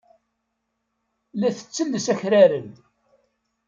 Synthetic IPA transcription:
læθə̥t͡sːəlːəsæçɾæɾən

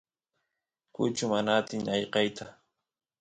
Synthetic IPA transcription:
kʊ̰t͡ʃʊmanat̪ɪŋɑjqɑjt̪a

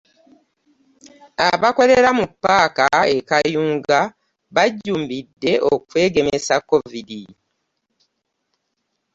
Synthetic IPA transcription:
aβako̞le̞ɾamupːaːkaekajuːŋɡa | βaɟːuːmbidːe̞ʔokwe̞ːɡe̞mesakːo̞vidi

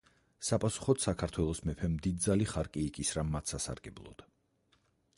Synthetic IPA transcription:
sapʼasu̥χɔd̪sakʰaɾt̪ʰwɛlˠɔsmɛpʰɛmd̪id̪̚zaliχaɾkʼiːkʼisɾamat̪ʰsasa̰ɾɡɛblˠɔ̰d̪̥

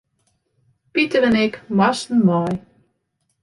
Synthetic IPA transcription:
pitəvənɛkmɑstən̩mɑj

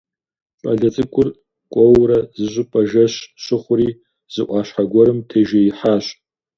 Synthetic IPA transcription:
pʼɐɮɐt͡sʼɨkʷʼʊr | kʷʼɔwrɐzɨʑʷɨpʼɐʒɐɕɕɪχʷʊɾiː | z̥ɨʔʷʼɑːɕħaɡʷɔɾɨmtʰeːʒejiħaːɕ

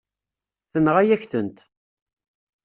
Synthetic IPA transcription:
θənʁæjæçθənt̪

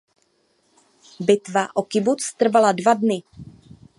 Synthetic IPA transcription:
bɪt̪vaʔokɪbut͡st̪r̩valadvadnɪ

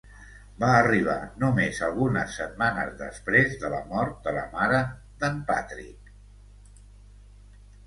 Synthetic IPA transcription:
baəriβ̞a̰numezəlˠɣunəsːət̪̚manə̰zðə̰spɾezðələ̰mɔɾt̪̚d̪ələ̰maɾə | ðəmpa̰t̪ɾḭk

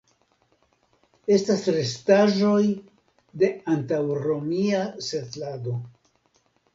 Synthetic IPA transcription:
e̞stasɾe̞staʒo̞j | de̞antawɾo̞miasetlado̞

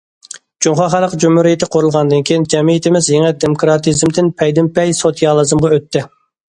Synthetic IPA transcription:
d͡ʒ̥uŋχɑχælˠəqd͡ʒumhuɾijit̪ʰɪqʰoɾulˠʁɑnd̪ɨnkʲʰijind͡ʒɛmijit̪ʰɪmɪzjeŋɛd̪emokɾɑt̪ʰɨzmd̪ɪnpʰɛjd̪ɪmpʰɛjsot̪ʰijɑlˠɨzɨmʁɑøt̪ːɪ

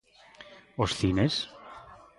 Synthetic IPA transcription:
osθines

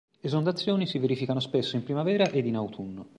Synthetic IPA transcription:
ezond̪at̪sːjoːnisiveɾifikanospesːoimpɾimavɛːɾaʔed̪inawt̪ʰunːo

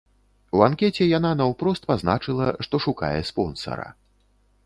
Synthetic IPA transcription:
wankʲɛt͡sʲɛjananawpɾɔst̪pazna̰t͡ʂɨlˠɐʂt̪ɔʂuka̰jɛ̰spɔnsɐ̰ɾɐ̰

